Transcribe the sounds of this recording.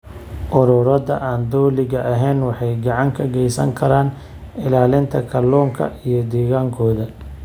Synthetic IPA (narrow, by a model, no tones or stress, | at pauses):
ʔʊɾʊɾɐðɐʔaːnd̪ɔːlɪɣɐʔɐɦɛjnwɑħɑjɡɐʕɑŋkʰɐɡɛjsɐ̰ŋkʰɐɾaːn | ɪlaːlɪnt̪ʰɐkʰɐlːɔːŋkʰɐ̰ʔijɞd̪ɛːɣaːŋkʰɔːðɐ